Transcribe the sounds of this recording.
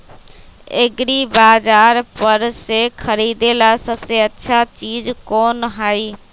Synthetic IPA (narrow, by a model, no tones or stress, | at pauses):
ḛɡɾibaːd͡ʒaːɾpəɾsekʰəɾiːd̪elasəbseətːʃʰat͡ʃiːd͡ʒkoːnɦai